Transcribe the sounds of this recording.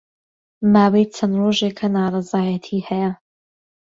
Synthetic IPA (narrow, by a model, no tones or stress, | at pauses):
maːwejt͡sʰɐnroʒeːkʰɐnaːrˤɑzaːjɐt̪ʰiːhɛjɐ